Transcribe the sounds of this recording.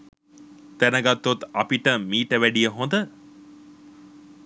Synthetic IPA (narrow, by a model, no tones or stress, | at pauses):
t̪ænəɡat̪ːot̪ɐpiʈəmiːʈəʋæɖijəɦond̪ə